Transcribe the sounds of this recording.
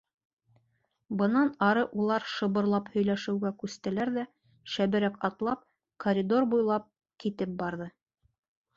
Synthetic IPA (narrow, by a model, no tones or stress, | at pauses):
bɤ̆nɑnɑɾɤʔulˠɑɾʃɤ̆βɤ̆ɾlˠɑphɵ̆jlæʃɘ̆wɡækʉst̪æ̆læɾðæ | ʃæβɘ̆ɾækɑt̪lˠɑp̚ | kʰoɾʲid̪o̞ɾbujlˠɑp̚ | kit̪ɘp̚bɑɾðɤ